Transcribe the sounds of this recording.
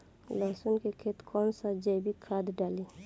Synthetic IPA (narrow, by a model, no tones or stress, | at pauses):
laːsʊnkekʰeːt̪kɔːnsad͡ʒəjbʱikʰaːd̪ɖaːliː